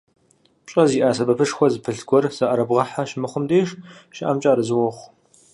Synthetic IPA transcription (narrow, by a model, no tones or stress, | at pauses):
t͡ʃʼɐziːʔaːsɐbɐpʰɨʂxʷɔzɨpʰɨɬɡʷɔrz̥aʔɐɾɐbʁɐħaʃmɨχʷʊmdeːʂʃɪʔamt͡ʃʼaːɾɨzɨwɔχʷ